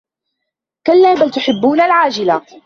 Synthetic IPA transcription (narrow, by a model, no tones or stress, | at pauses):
kalːaːbalt̪ʊħɪbːuːnalʕaːd͡ʒɪla